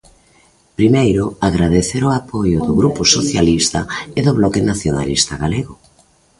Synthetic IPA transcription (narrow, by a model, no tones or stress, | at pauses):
pɾimejɾʊaɣɾaðeθeɾoapojʊðʊɣɾupʊsoθjalist̪ɐɪðʊβlɔkɪnaθjona̰list̪aɣaleɣʊ